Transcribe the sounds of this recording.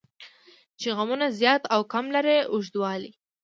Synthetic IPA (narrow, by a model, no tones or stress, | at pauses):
t͡ʃeɣamunazjɑt̪awkamlaɾeʊʒd̪wɑli